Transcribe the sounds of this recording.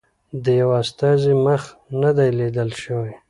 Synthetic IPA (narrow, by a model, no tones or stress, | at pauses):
d̪əjawast̪ɑziməxnad̪ajled̪əlʃəwaj